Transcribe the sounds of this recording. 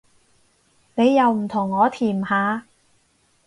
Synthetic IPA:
ne˨˧jːɐ˨˧wm̩˨˩t̪ʰʊ˨˩ŋːɔː˨˧t̪ʰiː˨˩mhaː˨˧

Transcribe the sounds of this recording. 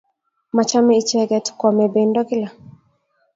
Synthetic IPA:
ma˨t͡ʃa˦mɛi˨t͡ʃɛ˦ɡɛ˨tkɔ˨mɛ˨be˨ndɔ˦kɪ˦la˨

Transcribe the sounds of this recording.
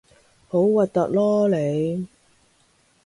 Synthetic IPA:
ho˨˥wwɐ˨t̚t̪ɐ˨k̚lɔː˥le˨˧j

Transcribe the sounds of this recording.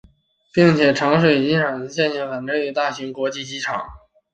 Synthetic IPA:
pi˥˩ŋt͡ɕʰjɛ˨˩ʈ͡ʂʰɑ˧˥ŋʂwe˨˩ɪt͡ɕi˧˥ʈ͡ʂʰɑ˨˩ŋ˧˥ɕjɛ˥˧nɕɛ˧˥˩ŋxə˨˩nʈ͡ʂə˧˥ny˧˥t̪a˥˩ɕi˧˥ŋkwɔ˧˥t͡ɕi˥˩t͡ɕi˧˥ʈ͡ʂʰɑ˨˩˦ŋ

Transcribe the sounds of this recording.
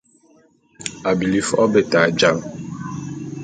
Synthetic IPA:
a˨bi˨li˦fɔ˦be˨ta˨d͡ʒa˦ŋ

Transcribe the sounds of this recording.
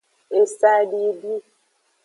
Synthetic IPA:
e˨sa˦di˦bi˦

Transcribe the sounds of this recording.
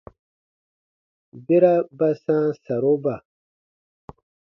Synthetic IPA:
be˦ɾa˦ba˦sãː˦sa˨ɾo˦ba˨

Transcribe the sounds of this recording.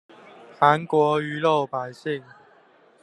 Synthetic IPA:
xa˨˦nkwɔ˨˧˥y˧˥lo˥˨˩ʊpa˨˩ɪɕi˥˩ŋ

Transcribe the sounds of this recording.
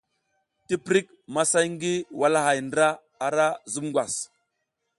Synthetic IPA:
ti˦pɾi˦k̚ | ma˦sa˦jŋ˦ɡi˦wa˦la˦ɦa˨jndɾa˦ | a˨ɾa˦zu˦mŋɡʷwa˨s

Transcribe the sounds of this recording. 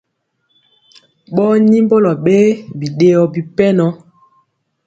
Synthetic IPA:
ɓɔ˦ni˦mbo˦lɔ˨ɓe˦bi˨ɗe˨ɔ˨bi˨pɛ˦nɔ˦

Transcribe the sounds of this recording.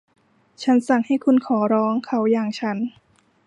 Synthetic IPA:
t͡ɕʰa˦˥nsa˨˩ŋha˥˩jkʰu˧nkʰɔː˩˦ɾɔː˦˥ŋkʰa˦˥wjaː˨˩ŋt͡ɕʰa˦˥n

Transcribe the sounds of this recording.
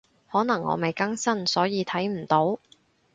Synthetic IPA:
hɔː˨˥nɐ˨˩ŋːɔ̰ː˨˧me˨˩jkɐ˥ŋsɐ˥nsɔː˨˥jiː˧t̪ʰɐ˨˥jm̩˨˩t̪o˨˥w

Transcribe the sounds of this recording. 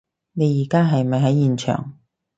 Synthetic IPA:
ne˨˧jiː˨˩kaː˥ɦɐ˨jmɐ˨jɦɐ˨˥jjiː˨nt͡ʃʰœ̰ː˨˩ŋ

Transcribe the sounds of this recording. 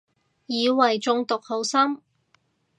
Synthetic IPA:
jiː˨˧wɐ˨˩jt͡sʊ˧ŋt̪ʊ˨k̚ho˨˥wsɐ˥m

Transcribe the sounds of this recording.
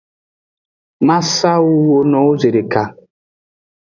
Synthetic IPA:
ma˦sa˦wu˦wo˦nɔ˨˦o˦ze˨ɾe˨ka˨

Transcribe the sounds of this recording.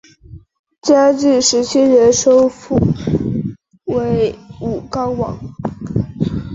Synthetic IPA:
t͡ɕja˥ʈ͡ʂi˥˩ʂɻ̩˧˥t͡ɕʰi˥ɻə˧˥nʂo˥ʊfu˥˩ | we˧˥ɪu˨˩kɑ˥ʊwɑ̰˨˩˦ŋ

